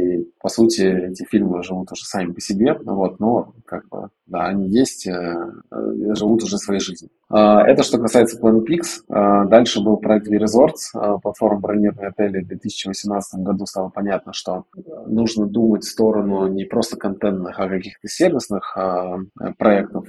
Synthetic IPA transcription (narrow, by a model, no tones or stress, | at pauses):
ipɐsutʲɪɛtʲɪfʲilʲmɨʐɨvut̪ʊʐɛsamʲɪpəsʲɪbʲe̞vo̞t̪no | kaɡ̚bɨ̰ | d̪a̰ɐnʲijesʲtʲə | ʐɨvut̪ʊʐɛsvɐjejʐɨzʲnʲɪ | əɛt̪əʂt̪o̞kɐsajɪt̪sə̥plˠɐnəpʲiksəd̪alʲʂɨbɨlˠpɾɐɛk̚t̪vʲɪɾʲɪzo̞rt̪səplˠɐt̪fo̞ɾmbɾɐlʲnʲirnəjɐt̪ɛlʲɪvd̪vʲet̪ɨsʲɪ̥t͡ɕɪvəsʲɪmnat̪sət̪əmɡɐd̪ust̪alˠəpɐnʲat̪̚nəʂt̪o̞nuʐnəd̪umətʲfʲst̪o̞ɾənʊnʲɪpɾo̞st̪ə̥kɐnt̪ɛnt̪nɨxɐkɐkʲixt̪əsʲervʲɪsnɨxə̰pɾɐɛk̚t̪əf